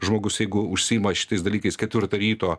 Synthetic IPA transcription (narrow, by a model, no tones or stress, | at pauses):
ʒmoːɡʊsjɛɪɡʊʊʃʲsʲijimɐʃʲɪ̥t̪ɐɪsd̪ɐlʲiːkɐɪskʲɛt̪ʲʋʲɪɾt̪ɐɾʲiːt̪oː